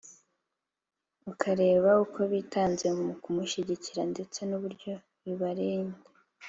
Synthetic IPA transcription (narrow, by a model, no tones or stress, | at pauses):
ukʰaɾe̞ːβaukʰo̞βiːtaːnze̞muukumuʃiɟiciɾande̞t͡se̞nuβuɾɟo̞ | βiβaɾeːnɡe